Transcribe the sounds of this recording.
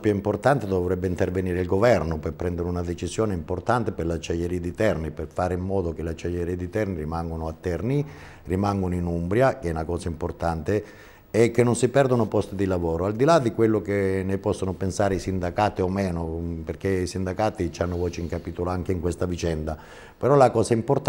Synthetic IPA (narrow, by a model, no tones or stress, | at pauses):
pjuimport̪ant̪ed̪ovɾɛbːeint̪erveniːɾeilɡovɛrnopepːɾɛnd̪eɾeunad̪et͡ʃizjoːneimport̪ant̪eperlat͡ʃːaʎːeɾiːad̪it̪ɛrniperfaːɾeimːɔːd̪okelat͡ʃːaʎːeɾiad̪it̪ɛrnirimaŋɡonoat̪ːɛrni | rimaŋɡonoinumbɾjakeɛunakɔːsaimport̪ant̪e | ɛkːenːonsipɛrd̪onopɔst̪id̪ilavoːɾoald̪ilad̪ikwelːokenepɔsːonopensaːɾeisind̪akaːt̪iomɛːnoperkeisind̪akaːt̪it͡ʃanːovɔːt͡ʃeiŋkapiːt̪oloaŋkeiŋkwest̪avit͡ʃɛnd̪a | peɾɔlakɔːsaimport̪